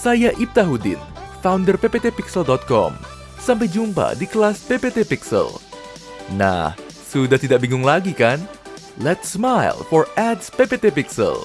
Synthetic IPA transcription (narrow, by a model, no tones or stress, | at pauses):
sajaʔip̚t̪aɦudɪ̰nfawndərpepet̪epiksəldɔt̪̚kɔ̰m | sampajd͡ʒumpa̰dikəlaspepet̪epiksə̰l | na̰h | sudaht̪idaʔbiŋʊŋlaɡikan | lɛt̪smajlfɔrɛdspepet̪epiksə̰l